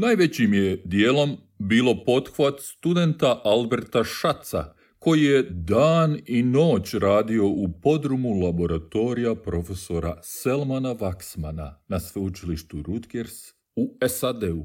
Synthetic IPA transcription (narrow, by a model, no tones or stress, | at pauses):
najʋe̞t͡ɕimje̞d̪jeːlo̞m | biːlˠo̞po̞t̪xʋat̪st̪ud̪e̞nt̪aʔalbe̞ɾt̪aʃat̪sa̰ | ko̞jije̞d̪aːnino̞ːt͡ɕɾaːd̪io̞upo̞d̪ɾumulˠabo̞ɾat̪o̞ɾijapɾo̞fe̞so̞ɾa̰selmanaʋaksmana̰nasʋeut͡ʃiliʃt̪uɾut̪ɡeɾs | uesad̪eu